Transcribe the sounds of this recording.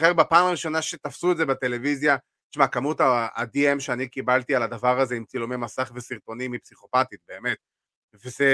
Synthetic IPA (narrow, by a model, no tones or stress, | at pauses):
χeʁbepaːmaʁiʃo̞naʃet̪afsuetzebete̞le̞vizja | t̪ʃmakamut̪a̰ːd̪iemʃeanikibalt̪ialad̪avaʁaze̞imt͡silomemasaχvesiʁt̪o̞nimipsiχo̞pat̪it̪̚be̞ːme̞t̪̚ | veze